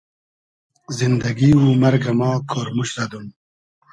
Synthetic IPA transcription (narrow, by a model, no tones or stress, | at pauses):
zind̪ɐɡiːwumɐɾɡɐmɑːkʰoɾmuɕɾɐd̪um